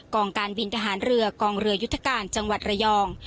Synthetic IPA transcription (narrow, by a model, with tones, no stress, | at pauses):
kɔː˨˩ŋkaː˧nwi˧nt̪ʰa˧ɦaː˩˦nɾɯ˧ɐkɔː˧ŋɾɯ˧ɐju˦˥t̪ʰːa˧kaː˧nt͡ɕa˧ŋwa˨˩t̪̚ɾa˧jɔː˧ŋ